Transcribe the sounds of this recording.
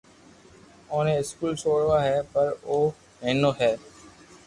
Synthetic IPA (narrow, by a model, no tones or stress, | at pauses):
õːnẽɪskuːlt͡ʃʰoːɽʋaːɦɛːpəɾoː | ɦẽːnoːɦɛː